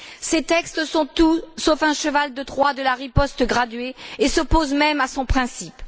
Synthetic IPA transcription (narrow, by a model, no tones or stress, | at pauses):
set̪ɛkst̪sɔ̃t̪usofɛ̃ʃəvald̪ət̪ʁwad̪əlaʁipɔst̪əɡʁad̪ɥeesɔpozmɛmasɔ̃pχɛ̃sip